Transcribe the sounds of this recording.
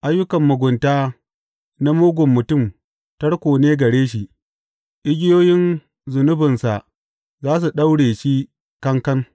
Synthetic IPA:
ʔa˦jːʊ˦kɐ˨mːʊ˨ɡʷʊ˨ntaː˦ | na˦moː˦ɡʷʊ˨mːʊ˨tʊ˦˨m | tɐ˦ɽkʷoː˨neː˦ɡɐ˨ɽeː˦ʃ̬i˨ʔ | ʔɪ˦ɡʲɪ˦joː˦jɪ˦n | zʊ˨nʊ˦bɪ˨nsa˨ʔ | zaː˦s̬u˨ɗa˦wɽeː˨ʃi˦ | kɐ˦ŋkɐ˦n

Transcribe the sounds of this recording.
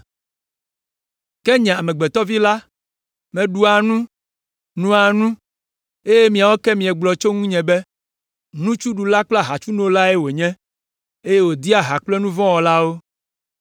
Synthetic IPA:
kɛ˦ɲɛ̃˨a˨mɛ˨ɡ͡bɛ˨t̪ɔ˦vi˦la˦ | mɛ̃˨ɖu˨a˨nũ˦ | nũ˦a˨nũ˦ | e˦je˦mĩ˨a˨wo˦kɛ˦mĩ˨ɛ˨ɡ͡blɔ˨t͡ʃo˦ŋũ˦ɲɛ̃˨bɛ˦ | nũ˦t͡ʃu˦ɖu˨la˦k͡pla˦ɦa˨t͡ʃu˦nõ˦o˦la˦ɛ˦wo˨ɲɛ̃˦ | e˦je˦wo˨d̪i˦a˨ɦa˨k͡plɛ˦nũ˦vɔ̃˦wɔ˨la˦wo˦

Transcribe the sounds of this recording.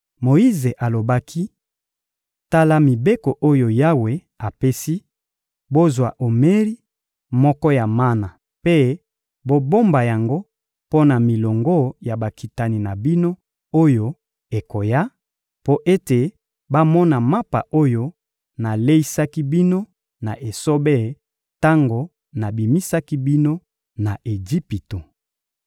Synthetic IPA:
mo˨i˦ze˨ʔa˨lo˨ba˦kʰi˦ | ta˦la˦mi˨be˦ko˨ʔo˦jo˨ja˦we˨ | a˨pe˦si˦ | bo˦zwa̰˨ʔo˨me˦ʁi˦ | mɔ˦kɔ˦ja˨ma˦na˨ | pe˦ | bo˦bo˦mba˨ja˨ŋɡo˦ | po˦na˨mi˨lɔ˨ŋɡo˦ja˨ba˨ki˨ta˨ni˨na˨bi˦no˦ | o˦jo˦ | e˨ko˨ja˦ | po˦ʔe˦te˨ | ba˦mɔ˦na˨ma˦pa̰˨ʔo˦jo˦ | na˨le˦i˦sa˦ki˦bi˦no˦ | na˨ʔe˨so˦be˦˨ | ta˦ŋɡo˨ | na˨bi˨mi˦sa˦ki˦bi˦no˦ | na˨ʔe˨d͡ʒi˦pi˨to˨

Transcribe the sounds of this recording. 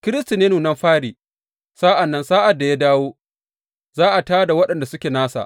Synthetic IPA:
kʲɪ˦ɾɪ˦sti˨neː˦nuː˨nɐ˦mɸaː˦ɽiː˨ | saː˦ʔa˨nːɐ˦nsaː˦ʔa˨dːa˨ja˦daː˦woː˦ | zaː˦ʔa˨taː˦da˨wɐ˦ɗɐ˨nda˨sʊ˦kʲeː˨naː˦sa̰˨

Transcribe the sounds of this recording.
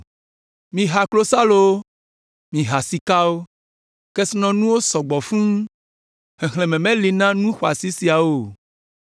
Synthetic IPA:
mĩ˨ɦa˨klo˦sa˦lo˨wo˦ | mĩ˨ɦa˨si˨ka˦wo˦ | kɛ˦snɔ̃˦nũ˦wo˦sɔ˨ɡ͡bɔ˨fũ˦ | he˨xlẽ˨mɛ̃˨mɛ̃˦li˨nã˦nũ˦xo˨a˨si˦si˨a˨wo˨

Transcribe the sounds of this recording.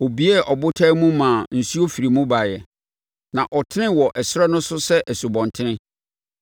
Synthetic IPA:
o˨bi˦ɛ˦ʔɔ˨bʊ˦tʰa˦mũ˦mã˨n̩˨su˦o˦fi˨ɾi˨mũ˦ba˨jɛ˨ | nã˨ʔɔ˨tʰɪ˦ɪ̃˦wɔ˨ʔɛ˨sʊ˦ɾɛ˦nʊ̃˦sʊ˦sɛ˦ʔɛ˨su˨bɔ̃˨ntʰɪ˦nɪ̃˦

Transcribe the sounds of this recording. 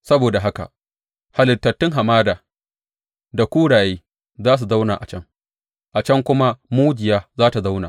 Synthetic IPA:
sɐ˦boː˨da˨ɦa˦ka̰˨ | ha˨lɪ˨tːɐ˨tːɪ˦ŋɦa˨maː˦daː˨ | da˨kʷuː˦ɽaː˨jeː˦ | zaː˦s̬u˨za˦wna̰ː˨ʔa̰˨t͡ʃɐ˦ŋ | ʔa˨t͡ʃɐ˦ŋkʷʊ˦ma˦muː˦d͡ʒɪ˨jaː˦zaː˦ta˨za˦wnaː˨

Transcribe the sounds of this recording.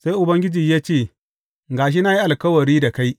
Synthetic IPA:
sa˦jʔʊ˨bɐ˦ŋɡʲɪ˦d͡ʒiː˨jaː˦t͡ʃeː˦˨ | ɡaː˨ʃ̬i˦na˦ji˦ʔa˨lkɐ˦wɐ˨ɾiː˦da˨ka˦j

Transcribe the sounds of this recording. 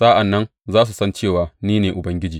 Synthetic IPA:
saː˦ʔa˨nːɐ˦n | zaː˦s̬u˨sɐ˦nt͡ʃeː˦˨waː˨niː˦neː˨ʔʊ˨bɐ˦ŋɡʲɪ˦d͡ʒiː˨

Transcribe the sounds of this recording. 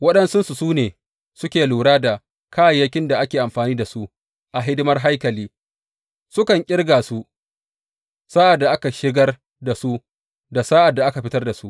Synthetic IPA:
wɐ˦ɗɐ˦nsʊ˦nsu˨suː˦neː˨ | sʊ˦kʲeː˨luː˨ɽaː˦da˨ | kʰaː˦jjːɐ˦kʲɪ˦nda˨ʔa˦kʲeː˨ʔa˨mɸaː˨niː˦da˨su˦ | ʔa˨ɦɪ˦dɪ˦mɐ˦rɦa˦jkɐ˨liː˦ | sʊ˦kɐ˨ŋkʲʼɪ˦rɡa˨su˦ | saː˦ʔa˨dːa˨ʔa˦ka˨ʃɪ˦ɡɐ˦r | da˨su˦ | da˨saː˦ʔa˨dːa˨ʔa˦ka˨ɸɪ˦tɐ˦rda˨su˦

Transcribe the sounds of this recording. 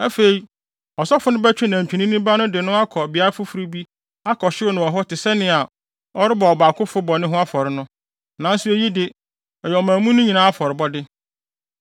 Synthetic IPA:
æ˦fe˨i˨ | ɔ˨sɔ˦fʊ˦nʊ̃˦bæ˦t͡ɕᶣi˦næ̃˨t͡ɕᶣĩ˨nĩ˦nĩ˦ba˦nʊ̃˦dɪ˨nʊ̃˦a˦kʰɔ˨bi˨˦a˦ɾa˦fʊ˦fu˨ɾi˦bi˦ | a˦kʰɔ˨ɕɪ˦o˦nʊ̃˨ɔ˨ɦɔ˦tɪ˨sɛ˦nɪ̃˦a˨ | ɔ˦ɾɪ˦bɔ˨ɔ˨ba˨kʰʊ˦fʊ˦bɔ˨nɪ̃˦ɦʊ̃˦a˦fɔ˨ɾɪ˦nʊ̃˦ | nã˨n˦sʊ˦e˨ji˦dɪ˨ | ɛ˨jɛ˨ɔ˨mãː˨mũ˦nʊ̃˦ɲĩ˨nãː˦a˦fɔ˨ɾɪ˨bɔ˦dɪ˦

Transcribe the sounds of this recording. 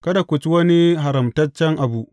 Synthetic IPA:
kɐ˦da˨kʷu˨t͡ʃi˦wɐ˦ni˦ɦa˨ɾɐ˨mtɐ˦t͡ʃːɛ˦ŋʔa˨bu˦ʔ

